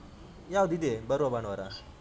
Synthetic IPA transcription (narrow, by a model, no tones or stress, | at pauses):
jaːwd̪id̪ebɐɾʋabaːɳʋaɾa